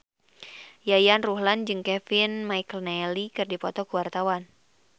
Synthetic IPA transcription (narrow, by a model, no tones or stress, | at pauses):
jajanruɦland͡ʒɨŋkɛfinmajkəlnɛlikɨrdipɔt̪ɔkuwart̪awan